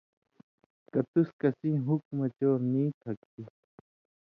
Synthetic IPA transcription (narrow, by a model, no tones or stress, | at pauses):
kat̪uskasĩɦukmat͡ʃoːɾnĩːt̪ʰakt̪i